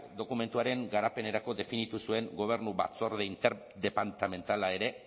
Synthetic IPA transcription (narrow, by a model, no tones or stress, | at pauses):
d̪o̞kume̞nt̪uaɾe̞ŋɡaɾape̞ne̞ɾako̞ðe̞finit̪usue̞ŋɡo̞β̞e̞ɾnuβa̰t͡so̞ɾðeint̪eɾ | d̪e̞pant̪ame̞nt̪alae̞ɾe̞